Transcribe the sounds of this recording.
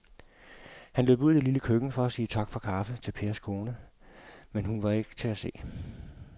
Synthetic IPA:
hænløb̥uð̩ˠieliləkʰøɡ̥n̩fɒ̽æsiːt͡sʰɑ̈ɡ̥fɒ̽kʰɑ̈fət͡sʰe̝lpʰe̝ːɐskʰo̝ːnə | menhunʋɑ̈e̝ɡ̥t͡sʰe̝æse̝̰ː

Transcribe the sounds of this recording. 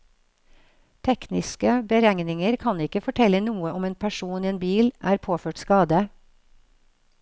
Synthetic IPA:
t̪ʰɛknɪskəbəɾæŋnɪŋəɾkʰɑnɪkəfɔʈʰɛlənuːəɔmeːnpʰæʃuːniːeːnbiːlʔæːɾpʰoːføːʈskɑːd̪ə

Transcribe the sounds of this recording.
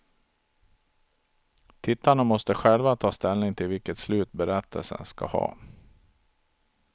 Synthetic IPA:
t̪ʰɪt̪ːaɳamɔst̪əɧɛlvat̪ʰɑːst̪ɛlnɪŋt̪ʰɪlvɪlkət̪slʉ̟ːt̪bɛɾɛt̪ʰːə̰lsə̰nska̰hɑ̰ː

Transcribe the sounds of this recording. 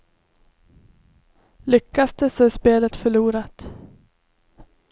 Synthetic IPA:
lʏkːasd̪əsɔæʂpeːlət̪fœɭuːɾat̪

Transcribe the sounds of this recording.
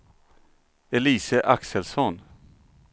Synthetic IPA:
ɛliːsəʔaksəlsɔn

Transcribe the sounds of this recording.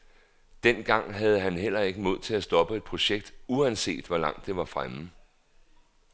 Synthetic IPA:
d̥en̰ɡ̥ɑ̈ŋ̰ɦæð̞ˠəɦænɦel̰ɐe̝ɡ̥əmo̝ð̞̰ˠt͡sʰe̝læsd̥ɒ̽b̥əe̝d̥̚pʰʁo̝ɕeɡ̥̚d̥uænse̝̰ːd̥ʋɒlɑ̈ŋ̰d̥ːe̝ʋɑ̈fʁamə

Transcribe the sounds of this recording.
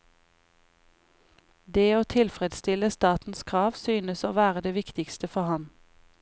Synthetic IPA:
d̪eːoːt̪ʰɪlfʁɛd̪st̪ɪləst̪ɑːt̪n̩skʰʁɑːʋsyːnəsoːʋæːʁəd̪eːʋɪkt̪ɪkst̪əfɔhɑn

